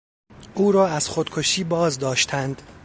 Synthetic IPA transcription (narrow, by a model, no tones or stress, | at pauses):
ʔuːɾɒːæz̥xod̪̥kʰoʃiːbɒːzd̪ɒːʃt̪ʰænd̪̥